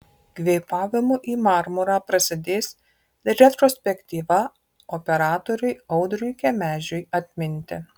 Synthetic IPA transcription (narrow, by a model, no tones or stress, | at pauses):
ɡ̥ʲʋʲɛɪpɑːʋʲɪmʊʔiːmɑɾmʊɾɑːpɾɐsʲɪd̪ʲeːs | ɾʲɛt̪ɾoːsʲpʲɛkʲt̪ʲiːʋɐ | ɔpʲɛɾɑːt̪ɔɾʲʊɪɐʊd̪ɾʲʊjkʲɛmʲæːʒʲʊjɐt̪ʲmʲɪnʲt̪ʲɪ